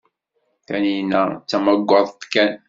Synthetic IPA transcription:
kæninæt͡sːæməɡʷːɑðˤt̪kːæn

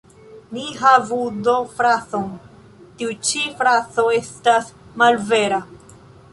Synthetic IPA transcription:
niɦavudo̞fɾat͡so̞n | tiut͡ʃifɾat͡so̞e̞stasmalve̞ɾa

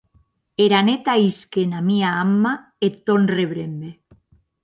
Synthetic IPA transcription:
eɾanet̪aiskenamiaamːa | et̪ːonreβɾembe

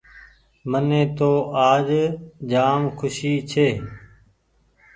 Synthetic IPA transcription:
mənẽːt̪oːaːd͡ʒd͡ʒaːmkʰʊʃiːt͡ʃʰeː

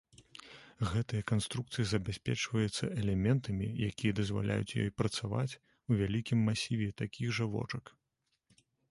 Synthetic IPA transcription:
ɣɛt̪ɨjɐkanst̪ɾukt̪sɨjɐzɐbʲasʲpʲɛ̰t͡ʂvɐjɛt̪sːɐʔɛlʲɛmʲɛnt̪ɐmʲijakʲijɐd̪ɐzva̰lʲa̰jṵt͡sʲjɔ̰jpɾɐt̪sava̰t͡sʲ | uvʲalʲikʲimːasʲivʲɛt̪akʲiɣʐɐvɔ̰t͡ʂɐk

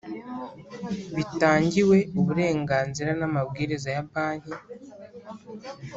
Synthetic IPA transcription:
βitaːɲɟiwe̞uβuɾe̞ːŋɡaːnziɾanamabɡiːɾizajampaːɲ̥i

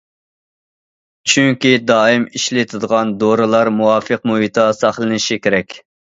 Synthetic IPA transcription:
t͡ʃʰyŋkʲid̪ɑːimiʃlɪt̪ʰɨd̪əʁɑnd̪oɾɨlˠɑɾmuwɑːfɨqmuɦit̪ʰɑsɑχlˠɨnɪʃikʲeɾɛkʲ

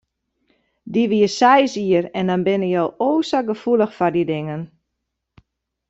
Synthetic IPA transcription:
diʋiəsɛjziərɛndɔnbɪnəjowoːsaɡəfulˠəxfardidɪŋən

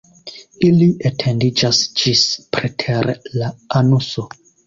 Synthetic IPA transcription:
iliʔetʰendid͡ʒasd͡ʒispɾetʰeɾlaanuso

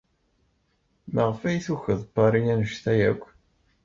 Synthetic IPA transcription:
məʁfæjθuçəðˤbɑɾˤinænəʃθæjæ̰kʷː

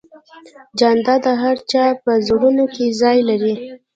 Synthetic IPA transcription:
d͡ʒand̪ɑd̪əɦaɾt͡ʃɑpəzɽunokezɑjlaɾi

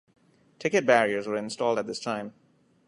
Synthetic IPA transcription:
tʰɪkɨt̚bæɹiə˞zwə˞ɪ̃nstɔlˠdət̪̚ðɪstʰãɪ̃m

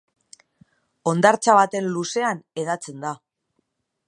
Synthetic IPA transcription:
o̞nd̪aɾt͡saβat̪e̞nluse̞ane̞ðat͡se̞nd̪a

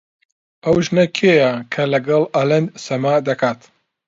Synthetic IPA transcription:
ɐwʒnɐkʰeːjɐkʰɐlɐɡɐlˠalɐnd̪sɐmaːd̪ɐkʰaːt̪

